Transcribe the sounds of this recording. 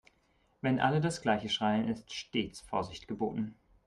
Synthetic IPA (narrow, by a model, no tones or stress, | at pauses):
vɛnʔa̰lədasɡ̥laɪçəʃʁ̥aɪənɪstʃteːt͡sfoːɐzɪçtɡ̥əbo̰ːtn̩